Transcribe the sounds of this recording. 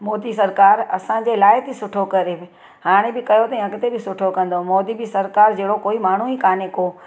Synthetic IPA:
mɔːd̪isɐɾkaːɾɐsãd͡ʑeːlaːɪɦt̪ʰisʊʈʰokɐɾebɪ | haːɽ̃ẽbɪkɐjot̪ɐɛ̃ɐɡɪt̪ebɪsʊʈʰokɐ̃nd̪omɔːd̪ibɪsɐɾkaːɾd͡ʑeːɽokoːimaːɳ̤uikaːnekoː

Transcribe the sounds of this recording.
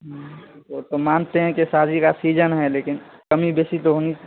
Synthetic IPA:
ɦot̪omaːnt̪eɦɛ̃kisaːd͡ʒikasiːd͡ʒənɦɛleːkɪn | kəmibeːsit̪oɦoːnit͡ʃː

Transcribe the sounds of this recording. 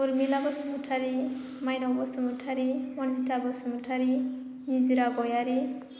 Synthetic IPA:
uɾmilabɔsmutʰaɾi | majnawbɔsumutʰaɾimɔnzitʰabɔsumuʈʰaɾi | niziɾaɡɔjaɾi

